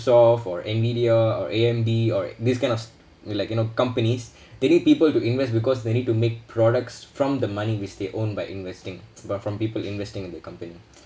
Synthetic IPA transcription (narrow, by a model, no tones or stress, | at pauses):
sɔfɔɹɛ̃nvidiaɔ̰ɹʔeɛ̃mbiɔɹd̪iskãɪ̃nɔs | laɪkjunokãmpənis | d̪eniːd̚piːpəltuɪ̃nvɛstbikɔsd̪enid̚tumek̚pʰɹɔdək̚tsfɹɔ̃md̪əmaniwɪt͡ʃd̪eʔõnbaɪʔɪ̰̃nvɛstɪ̃ŋfɹɔ̃mpiːpəlɪ̃nvɛstɪ̃ŋɪ̃nd̪ɛkãmpəni